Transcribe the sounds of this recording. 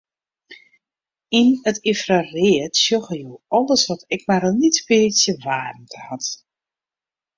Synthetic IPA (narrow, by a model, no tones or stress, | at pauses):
inətifrarɪətsjoɣəjoɔlˠəsʋɔtɛk̚marnitpiːsjəʋaːrn̩tʰəhat